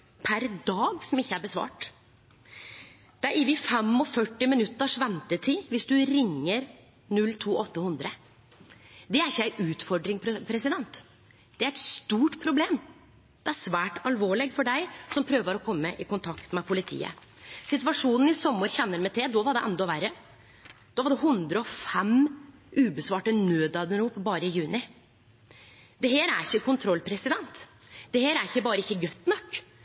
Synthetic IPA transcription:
pʰæɾd̪ɑːɡsɔmɪçːəæɾbəsʋɑ̰ːʈ | d̪̥ɛæɾʔɪʋɪfɛmɔfœʈːɪmɪnʉt̪ːəʂʋɛnt̪ət̪ʰiːʋɪsd̪ʉɾɪŋːəɾ | nʉlːt̪ʰuːʔɔt̪ːəhʉnd̪ɾə | d̪ɛæɾɪçːəæɪʔʉːt̪fɔɖɾɪŋpʰɾɛsɪd̪ɛnt̪ | d̪̥ɛæɾɛt̪st̪uːʈpʰɾʊbleːm | d̪̥ɛæʂʋæːʈɑlʋoːɭɪɡfɔɖæɪsɔmpʰɾøːʋəɾɔkʰɔmːəʔɪkʰʊnt̪ʰɑkt̪mɛpʰʊlɪt̪ʰḭːə̰ | sɪt̪ʋɑʂuːnn̩ɪsɔmːəɾçɛnːəɾmɛt̪ʰeːd̪ɔʋɑɖɛʔɛnd̪ɔʋæɾə | d̪̥ɔːʋɑɖɛɦʉnd̪ɾəɔfɛmʉːbəsʋɑːʈənøːd̪ɑːd̪nɾuːpbɑːɾəɪjʉːnɪ | d̪̥ɛɦeːɾæɾɪçːəkʰʊnt̪ʰɾɔlpʰɾɛsɪd̪ɛnt̪ | d̪̥ɛheːɾæɾɪçːəbɑːɾəɪçːəɡœt̪ːnɔkː

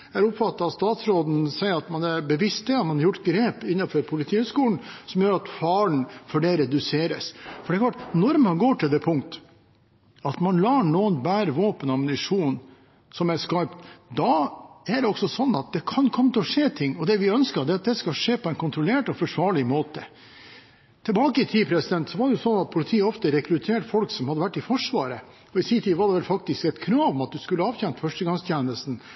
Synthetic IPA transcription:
æɾʊpfɑt̪ːɑɑtst̪ɑːt̪sɾoːd̪n̩sæɪəɾɑt̪mɑnæɾbəʋɪst̪̚ɛɑɾmɑnhɑɾjʊʈːɡɾeːpɪnːɑfɔɾpʰʊlɪt̪ʰiːhʉːskuːln̩sɔmjøːɾɑt̪fɑːɳfɔɖeɾɛd̪ʉseːɾəsfɔɖɛklɑʈːnɔɾmɑnɡoːʈʰɪld̪ɛpʰʊŋkt̪ə̥ | ɑt̪mɑnlɑːɳuːənbæːɾəʋoːpənɑmnɪʂuːn | sɔmæɾskɑɾpt̪d̪ɑæɖɛɔksɔsɔnːɑt̪̚d̪ɛkʰɑnkʰɔmːət̪ʰɛɔʂeːt̪ʰɪŋːɔd̪ɛʋɪœnskɑɾd̪ɛɾɑt̪̚d̪ɛskɑʂeːpʰɔɛɪnkʰʊnt̪ɾɔleːʈɔfɔʂʋɑːɭɪmoːt̪ə | t̪ʰɛlbɑːkəɪt̪ʰiːpʰɾɛsɪd̪ɛnt̪sɔʋɑɖɛjʊsɔnːɑt̪̚pʰʊlɪt̪ʰiːɔft̪əɾɛkɾʉt̪ʰeːʈfɔlksɔmhɑd̪əʋæʈːɪfɔʂʋɑːɾə | ɔɪsiːt̪ʰiːʋɑɖɛʋɛlfɑk̚t̪ɪskɛt̪kʰɾɑːʋmɛɑt̪̚d̪ʉskʉlːəɑːʋçɛnt̪fœʂʈəɡɑŋst̪ʰjeːnəlst̪n̩

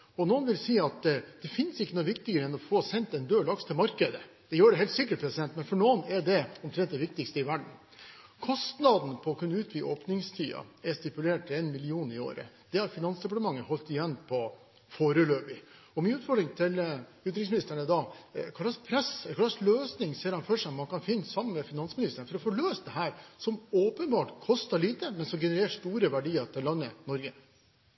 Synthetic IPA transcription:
ɔnoːənʋɪlsiːɑt̪d̪̥ɛfɪnːsɪkːənɔʋɪkt̪ɪɡəɾəɛnɔfɔsɛnt̪ɛnd̪øːlɑkst̪ʰɪlmɑɾkəd̪ə | d̪̥ɛjøːɖɛɦɛɪlt̪sɪkːəʈpʰɾɛsɪd̪ɛnt̪mɛnfɔɳoːnɛɖɛɔmt̪ʰɾɛnt̪̚d̪ɛʋɪk̚t̪ɪkst̪əɪʋæɖɳ̩ | kʰɔst̪nɑd̪n̩pʰɔɔkʰʉnːəʉːt̪ʰʋiːʔoːpnɪŋst̪ʰyːɑ̰ɛst̪ɪpʉleːʈɪɛnmɪlɪuːnɪo̰ːɾə̰ | d̪̥ɛæɾfɪnɑnsd̪ɛp̬ɑʈəmɑŋːəhɔlt̪ɪjɛnːpʰɔ | foːɾəløːpɪ | ɔmiːʉːt̪fɔɖɾɪŋt̪ʰɪlʉːt̪ɾɪŋsmɪnɪst̪əɳəd̪ɑkʰɑlːɑspʰɾɛsɛlkʰɑlːɑsløːsnɪŋseːɾhɑnfœʂɔmmɑnkɑnfɪnːsɑmːənmɛfɪnɑnsmɪnɪst̪əɳəfɔɾɔfoːɭøːsd̪ɛɦæːɾsɔmoːpənbɑːʈkʰɔst̪ɑɭiːt̪əmɛnsɔmɡɛnəɾeːʂt̪uːɾəʋæɖiːɑɾʈ̪ʰɪlːɑnːənɔɾɡə

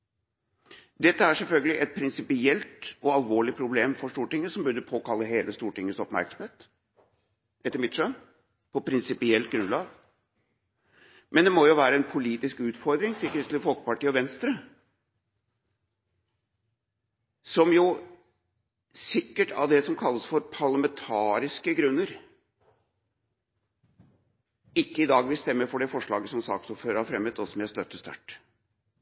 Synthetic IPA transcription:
d̪ɛt̪ːəæʂɛlfœlɡəlɪʔɛt̪̚pʰɾɪnsɪpɪɛlt̪ɔɑlʋoːɭɪpʰɾʊbleːmfɔʂt̪uːʈɪŋːəsɔmbʉd̪əpʰoːkɑlːəɦeːləst̪uːʈɪŋːəsɔpmæ̰ɾksəm̩heːt̪ | ʔɛt̪ːəɾmɪt̪ʂøːn | pʰɔpʰɾɪnsɪpɪɛlt̪̚ɡɾʉnd̪lɑːɡ | mɛnd̪ɛmɔjʊʋæːɾəɛnpʰʊliːt̪ɪskʉːt̪fɔɾd̪ɾɪŋt̪ʰɪlkɾɪst̪lɪfɔlkə̥pɑʈʰiːɔʋɛnst̪ɾə | sɔmjʊ | sɪkːəʈʰɑ̰ʋd̪ɛsɔmkʰɑlːəsfɔɾpʰɑɾɭɑmɛnt̪ʰɑːɾɪskəɡɾʉnːəɾ | ɪkːəɪd̪ɑːɡʋɪlst̪ɛmːəfɔɖɛfɔʂɭɑ̰ːɡəsɔmsɑ̰ːksɔpføːɾəhɑɾfɾɛmːøːt̪ɔsɔmjæst̪œt̪ːəst̪ɑ̰ʈː

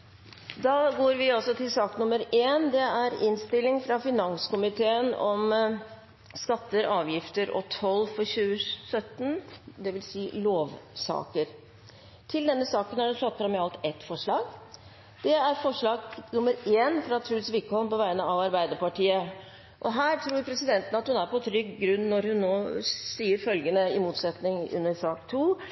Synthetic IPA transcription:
d̪ɑːɡoːɾʋɪɔsɔt̪ʰɪlsɑːknʊmːəɾeːnd̪ɛæɾɪ̰nst̪ɪlːɪŋfɾɑfɪnɑŋskʊmɪt̪ʰeːənɔm | skɑt̪ːəɾɑːʋjɪft̪əɾʔɔ̰t̪ʰɔlːfɔɾɕʉːəsœt̪nd̪ɛʋɪlsiːloːʋsɑ̰ːkəɾ | t̪ʰɪld̪ɛnːəsɑːkənæɖɛnflɑt̪ːfɾɑmɛɑlt̪ɛt̪ːfɔʂɭɑːɡ | d̪̥ɛæɾfɔʂɭɑːɡnʊmːəɾeːnfɾɑt̪ʰɾʉːlsʋɪkɔmpɔʋæɪnəɑʋɑɾbæɪd̪əɾpɑʈiːə | ʔɔɦæːɾʈ̪ʰɾuːɾpʰɾɛsɪd̪ɛnt̪ənəɑt̪hʉnæɾpʰɔt̪ʰɾʏɡːɾʉnːnɔɾhʉnːoːsiːəɾfœlɡənəɪmuːt̪sɛt̪nɪŋʉ̰nːəɾʂɑːkt̪ʰuː

